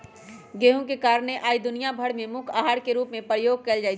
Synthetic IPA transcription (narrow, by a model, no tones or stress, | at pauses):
ɡeːɦũkekaːɾɳ̃eʔaːid̪ʊnijabʱɐɽmẽmʊkʰaːɦaːɾkeɾuːpmẽpɾəjoːɡ̚keːld͡ʒaːɪ